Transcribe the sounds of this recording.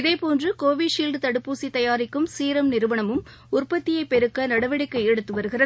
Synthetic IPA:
ɪðeːpoːndrɯkoːʋiʂiːlɖt̪ɐɽɯpːuːsit̪ɐjaːɾɪkːɯmsiːɾɐmnɪɾɯʋɐɳɐmɯm | ʊrpɐt̪ːɪjɐɪpːɛɾɯkːɐnɐɽɐʋɐɽɪkːɐɛɽɯt̪ːɯʋɐɾɯɣɪrɐ

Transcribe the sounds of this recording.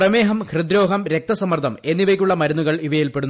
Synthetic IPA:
rɐmeːɦɐmkʰrɨd̪ɾo̞ːɦɐmɾe̞k̚t̪ɐsɐmɐrt̪ʰɐme̞nːiʋɐkʲːuɭːɐmɐɾunːuɣɐɭiʋɐjilpe̞ɽunː

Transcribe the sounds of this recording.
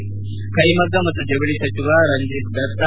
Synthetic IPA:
kɐjmɐɡɐmɐt̪ːud͡ʒɐɡɭisɐt͡ʃiʋaɾɐɲd͡ʒit̪̚d̪ɐɾt̪

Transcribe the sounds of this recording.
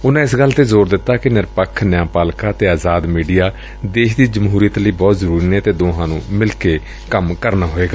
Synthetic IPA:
ʊnãːɪsɡəlːt̪eːzoːɾd̪ɪt̪ːaːkɪnɪɾpəkʰːnjãːpaːlkaːt̪eːaːzaːd̪miːɖijaː | d̪eːʃd̪iːd͡ʒəmɦuːɾijət̪ləiːbɔːt̪zəɾuːɾiːnẽːt̪eːd̪oːɦãːnṵ̃ːmɪlkeː | kəmkəɾnaːɦoːeːɡaː

